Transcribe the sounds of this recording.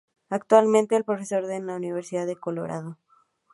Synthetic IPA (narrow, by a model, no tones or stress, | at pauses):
akt̪walmẽnt̪e̞ːlpɾofe̞so̞ɾðelauniβ̞eɾsiðaðeko̞lo̰ɾa̰ð̞o